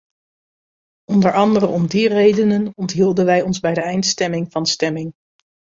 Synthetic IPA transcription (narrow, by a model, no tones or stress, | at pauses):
ɔndəɹɑndərəɔmdirejdənənɔntɦilˠdənʋɛjɔnzbɛjdəɛjntstɛmɪŋvɑnstɛmɪŋ